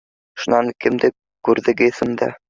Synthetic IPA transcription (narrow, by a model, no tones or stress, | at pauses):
ʃŭnɑŋkɘ̆md̪ɘ | kʉɾðɘ̆ɡɘθɘ̆md̪æ̰